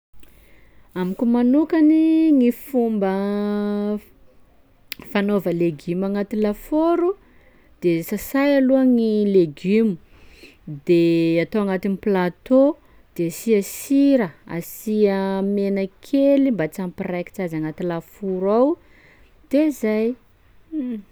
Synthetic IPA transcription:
amikumanukaniŋifumbə | fanovəleɡymaŋat̪ilafoɾu | d̪̥esasajaluəŋileɡymu | d̪eat̪owaŋat̪iniplat̪o | d̪̥easiəsiɾəa̰siəmenəkʰelimbat͡sampiraki̥t͡sazaŋat̪ilafuɾaw | d̪̥ezaj

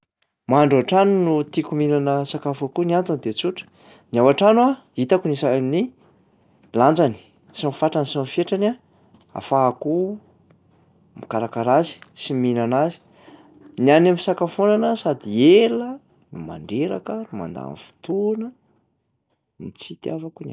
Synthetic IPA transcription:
maɳɖ͡ʐaaʈ͡ʂanunut̪ikuminanəsakafakuniant̪und̪et͡suʈ͡ʂə̥ | niawaʈ͡ʂanwa | it̪akunisaamini | land͡zani̥ | sionfaʈ͡ʂansonfieʈ͡ʂana | a̰faːku | mikaɾakaɾazi̥siminanazi̥ | nianemisakafonanəsad̪ielə | numa̰ɳɖ͡ʐeɾa̰kənuma̰nd̪a̰nfu̥t̪unə | mit͡sit̪jafakuna

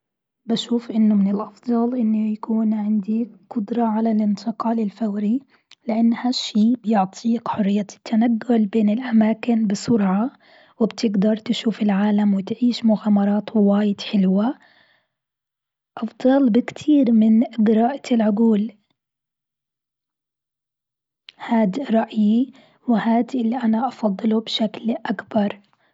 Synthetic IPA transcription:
baʃuːfʔɪnːʊmɪnɪlʔɑfd̪ˤɑlʔɪnːʊjakuːnʕɪnd̪iqʊd̪ɾˤɑʕalalʔɪnt̪ʰɪqɑːlɪlfawɾi | lɪʔanːhaʃiːbjɪʕt̪ˤʰiːkħʊrːɪjːat̪ʰːanaɡːʊlbeːnɪlʔamaːkɪnbɪsʊɾʕa | wɪbt̪ʰɪɡd̪ɑɾˤt̪ɪʃuːfɪlʕaːlamwɪt̪ʕiːʃmʊɣaːmɑɾˤɑːt̪wɪwaːjɪd̪ħɪlwa | ʔɑfd̪ˤɑlbɪkt̪ʰiːɾmɪnɪɡɪɾˤɑːʔɪlʕʊɡuːl | haːd̪ɾˤɑʔji | wɪhaːd̪ʔɪlːiʔanaʔɑfɑd̪ˤːɨlubʃaklʔakbɑɾˤ

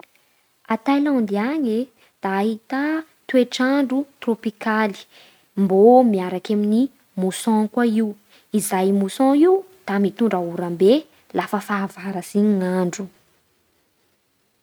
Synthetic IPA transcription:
at̪ajlɔ̃nd̪iaɲe | d̪̥aːɦit̪a | t̪ueʈ͡ʂaɳɖ͡ʐut̪ropikali̥ | mbomiaɾakamini | musɔ̃kwaiw | izajmusɔ̃iw | d̪̥amit̪uɳɖ͡ʐauɾambe | lafəfaːvaɾəziɲiŋaɳɖ͡ʐu

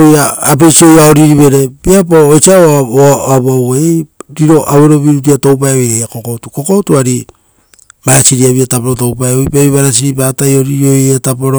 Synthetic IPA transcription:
ojaːp̬e̞jsio̞jaoɾiɾiβe̞ɾe̞biapoet͡ʃia | aβaeɾiɾo̞ʔaβeɾo̞βiɾut̬iato̞wp̬aeojejako̞ko̞tuko̞ko̞tuaɾi | maɾasiɾiaβiatap̬oɾotowpajojpeβiβaɾas̬iɾipatajo̞ɾiɾio̞jetapoɾo

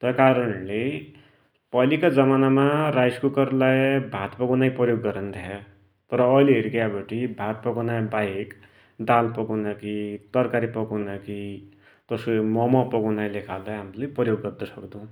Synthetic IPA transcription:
t̪ʌkaɾʌnle | pʌlikad͡zʌmanamarajskukʌrlajbʱat̪pʌɡunajpʌjoɡːʌɾʌnd̪ʰʱaʌ | t̪ʌɾʌːjleɦeɾikabʌʈibʱat̪̚pʌɡanabajek | d̪alpʌɡunʌkit̪ʌrkaɾipʌɡunʌki | t̪ʌsomʌmʌpʌɡunajlekʰald̪ʌjɦamlajpʌjoɡːʌrd̪ʌsʌkd̪ʌ̃

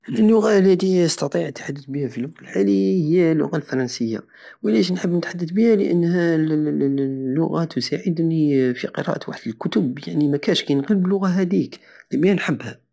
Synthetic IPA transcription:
lːʊɣalːæt̪iəst̪ɑt̪ˤiʕət̪ːħad̪ːət̪bihæfilːʊɣnəlħalihəjːælːʊ̰ɣalfɑɾˤɑnsəjːa̰ | wlæʃ̬nħəbːnət̪ħad̪ːəd̪bihælə̰ʔənːhæl | lːʊɣat̪ʰʊsaʕəd̪nifiqəɾɑ̰ʔt̪waħd̪əlkʊt̪ʊbjaʕnimækæʃkæjnqəlblʊɣaɦæd̪ik | limnħəbːhæ

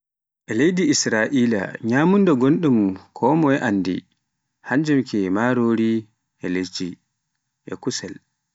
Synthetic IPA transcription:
ʔɛlejdiisɾaʔiːla̰ɲaːmundɔɡonɗumkʰɔmɔɛʔanːdḭ | haɲd͡ʒɛmkɛmaːɾoːɾi | ʔɛlet͡ʃːi | ʔɛ̰kusɛl

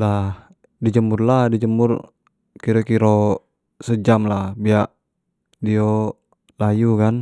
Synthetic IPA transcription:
la | did͡ʒəmurlahdid͡ʒəmur | kiɾokiɾo | səd͡ʒamlahbiaʔ | dio | lajukan

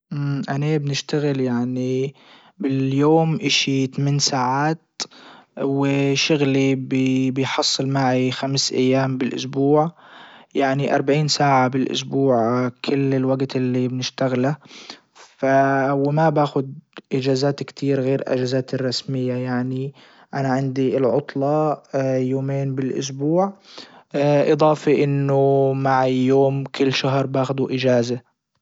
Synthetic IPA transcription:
ʔmʔanabnɪʃt̪aɣɪljaʕni | bɪljoːmʔɪʃit̪amɪːnsaːʕaːt̪ | wɪʃʊɣlibbɪjħɑsˤːɨlmaʕixamsʔa̰jːaːmbɪlʔʊ̰sbuːʕjaʕniʔɑ̰ɾˤbaʕiːnsaːʕabɪlʔʊ̰s̬buːʕkʰɪlːɪlwaɡt̪ɪlːibnɪʃt̪aɣla | fawɪmabaːxʊd̪ʔɪd͡ʒaːzaːt̪kt̪ʰiːɾɣeːɾʔa̰d͡ʒazaːt̪ɪrˤːɑsmɪjːajaʕni | ʔanaʕɪnd̪iɪlʕʊt̪ˤlɑjoːmeːnbɪlʔʊ̰s̬buːʕ | ʔɨd̪ˤɑːfiʔɪnːʊmaʕjːoːmkʊlːʃaɦɾˤbaːxʊd̪uʔɪd͡ʒaːza

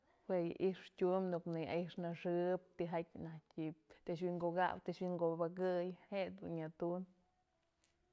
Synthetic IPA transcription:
hweja̰ʔiʂtʲumnuknɨja̰ʔiʂnaʂɨp̚t̪iɦakʲnahkʲit̪ɨʃ̬wiŋɡoɡa̰wt̪eʃwiŋɡobakɨjheʔd̪unɲat̪un

